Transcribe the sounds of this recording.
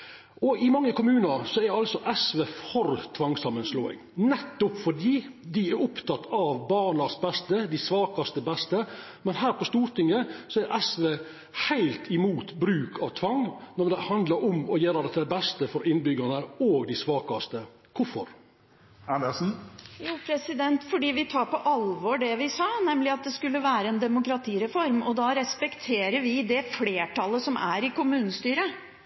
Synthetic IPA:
ʔɔɪmɑŋːəkʊmʉːnəɾsɔɛɾɑlsɔʔɛsʋeːfɔɾt̪ʰʋɑŋsɑmːənsloːɪ̰ŋnɛt̪ːʊpfɔɖiːd̪ɪɛɾʊpt̪ʰɑt̪ʰːɑʋbɑːɳɑsbɛst̪əd̪ɪsʋɑːkɑst̪əbɛst̪ə | mɛnɦæːɾpɔst̪uːɾʈ̪ɪŋːəsɔæɾʔɛsʋeː | hæɪlt̪ʰɪmuːt̪bɾʉːkʰɑʋt̪ʰʋɑŋnɔd̪ɛhɑnd̪ləɾɔmɔjeːɾəd̪ɛt̪ːd̪ɛbɛst̪əfɔɾɪnːbʏɡəɾnəoːɡd̪ɪsʋɑːkɑst̪ə | kʰʊfɔɾ | ænɛsn̩juːpʰɾɛsɪd̪ɛnt̪fɔɖiːʋɪt̪ʰɑːɾpɔʔɑlʋɔːɖɛʋɪsɑːnɛmlɪɑt̪̚d̪ɛskʉlːəʋæːɾəɛnd̪ɛmʊkɾɑt̪ʰiːɾɛfɔɾmɔd̪ɑɾɛspɛkt̪ʰeːɾəɾʋɪd̪ɛfleːʈʰɑlːəsɔmʔæɾɪkʊmʉːnəst̪yːɾə

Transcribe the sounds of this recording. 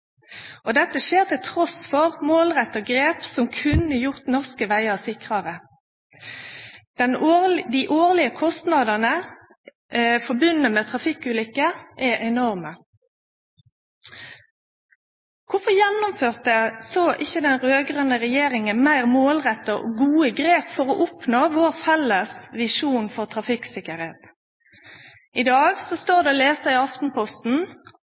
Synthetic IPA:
ɔd̪ɛt̪ːəʃeːʁt̪ɪlt̪ʰʁɔsfɔʁmoːlʁɛt̪ːəɡʁeːpsɔmkʰʉnəjʊʁt̪nɔʁskəʋæɪɑsɪkʁɑʁə | d̪̥ɛnd̪iʔoːʁlɪəkʰɔst̪nɑd̪ɑnə | fɔbʉnnəmɛt̪ʰʁɑfɪkʉːlʏkːəʔɛʔɛnɔʁmə | kʰʊfɔjɛnːʊmføːʁt̪əsoːʔɪçːəd̪ɛnʁøːɡʁənəʁɛjeːɾɪŋənmæɪʁmoːlʁɛt̪ːəʔo̰ːɡuːəɡʁeːpfɔɾɔʔʊpnoːʋoːʁfɛlːəsʋɪʃuːnfɔʁt̪ʰʁɑfɪksɪkəʁheːt̪ | ɪd̪ɑːɡsɔst̪oːʁd̪ɛɔːleːsəʁɪɑft̪n̩pʰɔst̪n̩

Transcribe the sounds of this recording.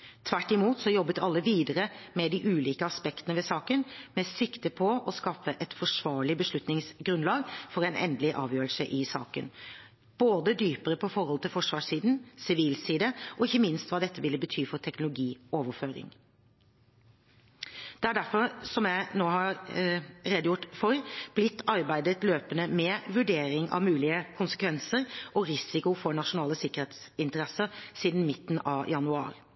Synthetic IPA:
t̪ʰʋæʈːɪmuːt̪sɔjɔbːət̪ʰɑlːəʋiːd̪əɾəmɛd̪ɪʔʉːliːkəɑspɛkt̪ənəʋɛsɑːkənmɛsɪkt̪əpʰɔɔskɑfəʔɛt̪fɔʂʋɑːɭɪbəʂɭʉt̪nɪŋsɡɾʉnlɑːɡfɔɾɛɪnɛ̰nd̪əlɪʔɑːʋjøːɾəlsəʔɪsɑ̰ːkə̰n | b̥oːd̪əd̪yːpəɾəpʰɔfɔɾhɔlt̪ʰɪlfɔʂʋɑːʂiːd̪n̩sɪʋiːlsiːd̪əʔɔɪçːəmɪnst̪ʋɑːd̪ɛt̪ːəʋɪlːəbət̪ʰyːfɔɾʈ̪ʰɛknʊlʊɡiːoːʋəɾføːɾɪ̰ŋ | d̪̥ɛæɖæɾfɔɾsɔmjæɪnoːhɑɾ | ɾeːd̪əjʊʈfɔɾb̥lɪt̪ːɑɾbæɪd̪ət̪løːpənəmɛʋʉɖeːɾɪŋɑ̰ʋmʉːlɪəkʰʊnsə̥kʋɛnsəɾʔɔɾɪsɪkʊfɔɳɑʂʊnɑːləsɪkːəɾeːt̪s | ɪnt̪əɾɛsəɾsiːd̪n̩mɪt̪ːn̩ɑʋjɑnʉɑ̰ːɾ

